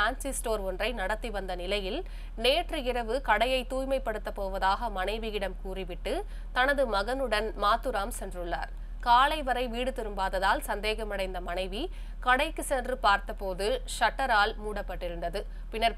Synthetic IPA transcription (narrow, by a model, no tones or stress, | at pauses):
aːnsɪsʈoːɾɔndrɐɪnɐɽɐt̪ːiʋɐnd̪ɐnɪlɐjɪl | neːʈrɯɪɾɐʋɯkɐɽɐjɐɪt̪ːuːjmɐɪpːɐɽɯt̪ːɐpːoːʋɐðaːɣɐmɐnɐɪʋɪjɪɽɐmkuːriʋɪʈːɯ | t̪ɐnɐðɯmɐɣɐnɯɽɐnmaːt̪ːɯɾaːmsɛndrɯɭːa̰ːɾ | kaːlɐɪʋɐɾɐɪʋiːɽɯt̪ɪɾɯmbaːðɐðaːlsɐnd̪eːɣɐmɐɽɐɪnd̪ɐmɐnɐɪʋi | kɐɽɐɪkːɯsɛndrɯpaːɾt̪ɐpːoːðɯʂɐʈːɐɾaːlmuːɽɐpːɐʈːɪɾɯnd̪ɐðɯ | pɪnːɐɾ